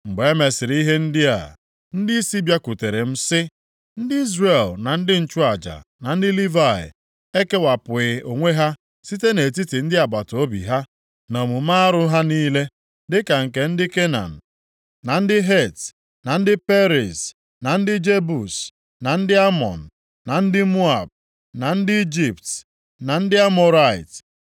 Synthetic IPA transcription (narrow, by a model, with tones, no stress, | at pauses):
ŋ͡m̩˨ɡ͡be˨e˦me˨sɪ˨ɾi˦ɦe˦n̩˦dɪ˦a̰˨ | n̩˦dɪ˦i˦si˦bja˦ku˨te˨ɾe˨m̩˦sɪ˦ | n̩˦dɪ˦i˦zre˨lna˨n̩˦dɪ˦n̩˦˨t͡ʃu˦a˨d͡ʒa̰˨na˨n̩˦dɪ˦li˦va˨ɪ̰˨ | e˦ke˦wa˨pʊ˨ɪ˨o˨ŋʷe˦ɦa˦ | si˦te˦ne˨t̬i˦ti˨n̩˦dɪ˦a˨ba˨to˦bḭ˨ɦa˦ | nɔ˨mu˨m̩a˦a˦ɾʊ˦ɦa˦niː˦le˦ | dɪ˦ka˨ŋ̩˨ke˨n̩˦dɪ˦ke˦na̰˨n̩˨ | na˨n̩˦dɪ˦ɦe˦˨t | na˨n̩˦dɪ˦pe˦ɾi˨s | na˨n̩˦dɪ˦d͡ʒe˦bu˨s | na˨n̩˦dɪ˦a˦mɔ̰˨n̩˨ | na˨n̩˦dɪ˦mu˦a̰˨b̚ | na˨n̩˦dɪ˦i˦d͡ʒi˨pt | na˨n̩˦dɪ˦a˦mɔ˨ɾa˦˨ɪ̰˨t